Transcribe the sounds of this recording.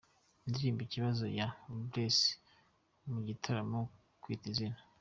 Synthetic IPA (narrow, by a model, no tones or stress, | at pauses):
ndiɾiːmbiciβazo̞̰jabɾesi̥ | muɟitʰaɾamo | kwiːtizinḁ